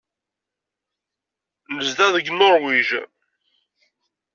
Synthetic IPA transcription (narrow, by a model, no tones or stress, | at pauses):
nəzd̪æðəɡnoɾˤwiʒ